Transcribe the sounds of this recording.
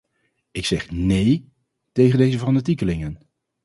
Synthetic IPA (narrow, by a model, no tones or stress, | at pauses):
ɪksɛχnej | tejχəndejzəvɑndətikəlɪŋən